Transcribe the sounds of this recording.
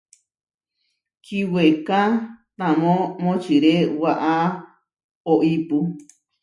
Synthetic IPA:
kiwekãt̪ãmõmõt͡ʃiɾewaʔa | oʔipu

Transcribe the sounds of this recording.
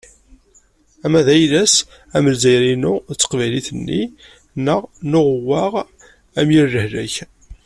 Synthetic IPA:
æmæðæjlæs | æməlzæjɾinʊt͡sːə̥qvæjliθənːi | nəʁnʊʁwːaʁ | æmjiɾːəhlæç

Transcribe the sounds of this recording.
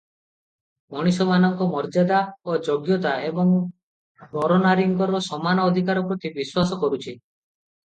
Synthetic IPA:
mɔɽ̃isɔmanɔŋkɔmɔɾd͡ʒad̪aod͡ʒoɡjɔt̪aebɔŋ | mɔɾɔnaɾiŋkɔɾɔsɔmanɔːd̪ʱikaɾɔpɾɔt̪ibiswasɔkɔɾut͡ʃʰi

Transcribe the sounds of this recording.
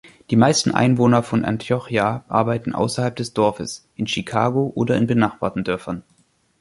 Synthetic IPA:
d̥iːmaɪstn̩ʔa̰ɪnvoːnɐfɔnʔa̰ntʰiɔχjaʔa̰ɐbaɪtn̩ʔa̰ʊsɐhalp̚d̥ɛsd̥ɔɐfə̰sʔɪnʃikʰaːɡoʔoːdɐɪnbənaχb̥a̰ːtn̩dœɐfɐn

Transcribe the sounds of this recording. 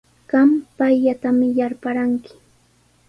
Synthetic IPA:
ɢ̥ɑmpajʎat̪amɪjaɾpaɾaŋkɪ̥

